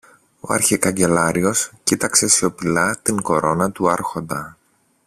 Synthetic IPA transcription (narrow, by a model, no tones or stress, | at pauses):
o̞̰ɐ̰ɾçikɐɲɟe̞lɐɾio̞scit̪ɐkse̞seo̞pilɐt̪iŋko̞ɾo̞nɐt̪uɐɾxo̞nd̪ɐ